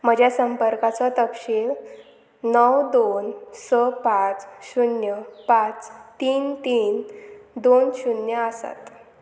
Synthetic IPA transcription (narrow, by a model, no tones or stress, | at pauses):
m̤əd͡ʑʱjasəmpəɾkat͡sɔt̪əpɕil | nəwd̪onsɔpat͡sɕunjəpat͡st̪iːnt̪iːnd̪onɕunjəasa̰t̪